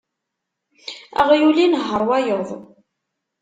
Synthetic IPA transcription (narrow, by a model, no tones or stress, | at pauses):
æ̰ʁjulinəɦəɾˤwæjoðˤ